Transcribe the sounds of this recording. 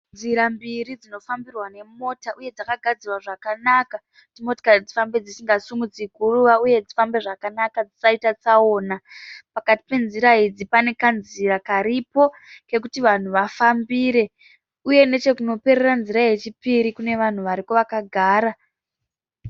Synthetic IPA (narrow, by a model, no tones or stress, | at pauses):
nziɾambiɾid͡zino̞fambirwane̞mo̞taʔuje̞d͡zakaɡʱad͡zirwaʐakanaka | kutimoto̥karid͡zifambe̞d͡zisiŋɡasumut͡sikuruʋauje̞d͡zifambe̞ʐakanakad͡zisaitat͡sao̞ːnapakati̥pe̞nziɾaid͡zipane̞kanziɾakaɾipo̞ | ke̞k̬utiʋan̤uʋafambiːɾe̞ | uje̞ne̞t͡ʃe̞kuno̞pe̞ɾeranziɾaje̞t͡ʃipiɾikune̞ʋan̤uʋaɾikoʋakaɡʱaːɾa